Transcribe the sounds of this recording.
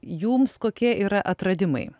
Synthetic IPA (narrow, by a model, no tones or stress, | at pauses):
juːmskoːkʲiɛʔiːɾɐʔɐt̪ɾɐd̪ʲɪmɐ̰ɪ